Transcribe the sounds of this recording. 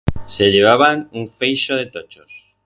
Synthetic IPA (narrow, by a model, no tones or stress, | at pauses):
seʎeβ̞aβanuɱfejʃoð̞et̪ot͡ʃos